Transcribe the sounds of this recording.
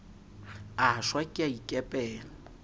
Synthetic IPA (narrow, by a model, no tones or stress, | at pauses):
aaʃwakʼiaikʼɛpʼɛːlɔ